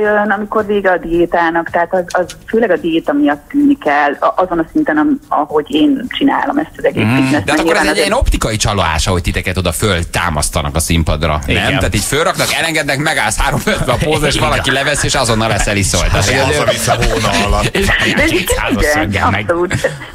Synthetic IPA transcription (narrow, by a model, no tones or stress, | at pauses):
jønɒmiko̞rveːɡɛɒd̪ieːt̪aːnɒkt̪ɛɦaːt̪ɒzɒzføːlɛɡɒd̪ijeːt̪ɒmijɒt̪ːyːnːikɛlːʔɒzonɒsint̪ɛnɒmɒ̰ho̞ɟeːnt͡ʃina̰ːlo̞mɛst̪ɒzɛɡeːinɛsaːɛkikːoɾɛːnzɛɟiɛno̞pt̪ikɒjit͡ʃɒloa̰ːʃɒɦo̞ɟ̚t̪it̪ɛkɛt̪o̞d̪ɒfølt̪a̰ːmɒ̰st̪ɒnɒ̰kɒsimpɒd̪rɒ̰nɛmt̪aːt̪iːcfølrɒknɒkɛlɛŋɡɛd̪nɛkmɛɡaːlshaːɾo̞ɱfølt̪vɛɒozeʃʋɒlɒkilɛvɛsieːʃɒzo̞nːɒlːɛsɛliso̰lt̪aeisɦoeʃeːiɡaiɡɛsoluːt̪